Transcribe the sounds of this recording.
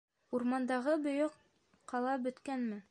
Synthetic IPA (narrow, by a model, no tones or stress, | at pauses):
uɾmɑnd̪ɑʁɤbŏjoq | qːɑlˠɑbɵ̆t̪kænmɘ